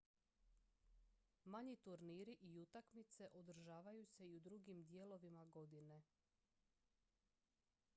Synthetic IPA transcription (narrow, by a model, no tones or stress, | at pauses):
maɲit̪uɾniːɾiʔiut̪akmit̪se̞ʔod̪ɾ̩ʒaːʋajuse̞iud̪ɾuɡimd̪je̞lo̞ʋimaɡo̞d̪ine̞